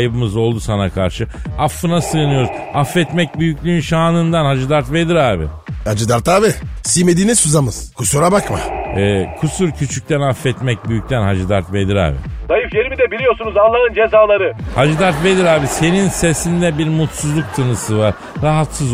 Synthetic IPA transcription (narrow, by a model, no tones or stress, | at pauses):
jbɯmɯzo̞lˠd̪usanakʰaɾʃɯ | afːɯnasɯːnɯjo̞ɾuz | afːɛt̪mɛc̚byjycʲlʲyynʃaːnɯnd̪anhad͡ʒɯd̪aɾt̪ve̞d̪iɾaːbɪ̰had͡ʒɯd̪aɾt̪aːbisimed̪iːnisuzamɯz̥kʰusuɾabakma̰ɛːkʰusuɾcʰyt͡ʃʰyc̚t̪ʰænafːɛt̪mɛc̚byjyc̚ʲt̪ʰænhad͡ʒɯd̪aɾt̪ved̪iɾa̰ːbɪ̰zajɯfjeɾimid̪ɛbilʲijo̞ɾsunuzanlːˠanɯnd͡ʒe̞zaːlˠaɾɯhad͡ʒɯd̪aɾt̪ve̞d̪iɾaːbise̞ninse̞sind̪ɛbiɾmut̪suzlˠuk̚t̪ʰɯnɯsɯvaɾ̥ | ɾaɦat̪sɯz